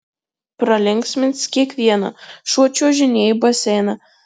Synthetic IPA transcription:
pɾɐlʲɪŋʲksʲmʲɪnʲt̪skʲiɛkʋʲiɛnɐ̰ʃuɔt͡ʃʲuːʒʲɪnʲeːjbɐsʲɛɪnɐ

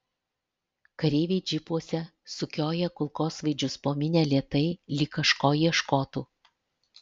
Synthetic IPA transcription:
kɐɾʲeːʋʲeɪd͡ʒʲɪpuɔsʲɛ | sʊkʲoːjɛkʊlˠkoːsʋɐɪd͡ʒʲʊspoːmʲɪnʲeːlʲiɛt̪ɐɪlʲiːkɐʃkoːjiɛʃkoːt̪uː

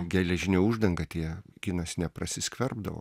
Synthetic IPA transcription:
ɡʲɛlʲɛʒʲɪnʲɛːuʒd̪ɐŋɡɐt̪ʲiɛɡʲɪnɐsnʲɛprɐsʲɪsʲkʲʋʲɛrbd̪ɐʋo̰

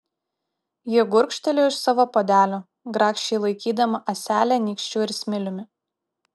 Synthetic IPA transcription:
jiɛɡʊɾʲkʃʲt̪ʲɛlʲuːɪʃsɑːʋoːpod̪ʲæːlʲoː | ɡɾɑːkʃʲt͡ʃʲɛɪlˠɐɪkʲiːd̪ɐmɐʔɐsʲæːlʲænʲiːkʃʲt͡ʃʲuːɪɾsʲmʲɪlʲʊmʲɪ

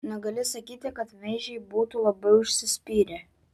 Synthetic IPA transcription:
nʲɛɡɐlʲɪsɐkʲiːt̪ʲɪkɐt̪mʲɛɪʒʲɛɪbuːt̪uːlˠɐbɐɪʊʃʲsʲɪsʲpʲiːɾʲɛ

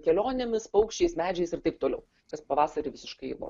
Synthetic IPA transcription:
kʲɛlʲoːnʲemʲɪspɐʊkʃʲt͡ʃʲɛɪsmʲæːd͡ʒʲɛɪsɪɾt̪ɐɪp̚t̪oːlʲɛʊ | kɐspɐʋɑːsɐɾʲɪʋʲɪsʲɪʃkɐɪʋo̰ː

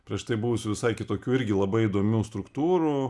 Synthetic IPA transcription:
pʲɾʲiɛʃt̪ɐɪbʊʋʊsʲɪʋʲɪsɐɪkʲɪt̪oːkʲuːɪɾʲɡʲɪlˠɐbɐɪid̪oːmʲuːst̪ɾʊkt̪uːɾu

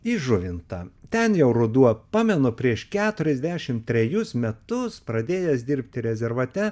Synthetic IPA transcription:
iʒʊʋʲɪnt̪ɐt̪ʲɛnjɛʊɾʊd̪uɔpɑːmʲɛnʊpʲɾʲiɛʃkʲæːt̪ʊɾʲɛzʲd̪ʲæːʃʲɪmt̪ʲɾʲɛjʊsmʲɛt̪ʊspɾɐd̪ʲeːjɛsd̪ʲɪɾʲpʲt̪ʲɪɾʲɛzʲɛɾʋɐt̪ʲɛ

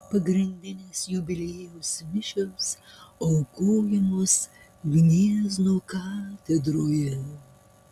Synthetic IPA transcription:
pɐɡɾʲɪnʲd̪ʲɪnʲɪsjʊbʲɪlʲeːjosʋʲɪʃʲɛsɔʊkoːjɛmʊs | ɡnʲiːɛznoːkɑːt̪ʲɛd̪ɾoːjɛ

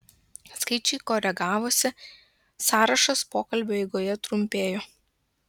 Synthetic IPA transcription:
skɐɪt͡ʃʲɛɪkoːɾʲɛɡɑːʋoːsʲɪ | sɑːɾɐʃɐspoːkɐlʲbʲoːɛɪɡoːjɛt̪ɾʊmʲpʲeːjoː

